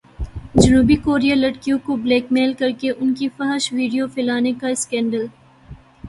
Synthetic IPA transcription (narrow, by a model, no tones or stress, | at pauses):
d͡ʒɐnuːbikoːɾijalɐʈkijõkobleːkmeːlkɐɾkeʔʊnkifɐɦʃʋiːɖijofɪlaːnekaɪskɛ̃ːɳɖəl